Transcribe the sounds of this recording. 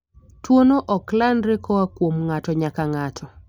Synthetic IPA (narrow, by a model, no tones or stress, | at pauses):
twonoʔɔklandɾekɔwakwomŋatɔɲakaŋatʰɔ